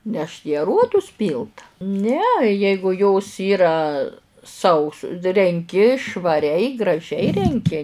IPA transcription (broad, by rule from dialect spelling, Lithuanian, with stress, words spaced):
nʲɛʃt iː ɐˈruɔdʊs ˈpʲiːlˠt nʲɛ ˈjɛɪɡʊ joːs ˈiːrɐ ˈsɐʊs rʲɛŋʲˈkʲɪ ʃʋɐˈrʲɛɪ ɡrɐˈʒʲɛɪ rʲɛŋʲˈkʲɪ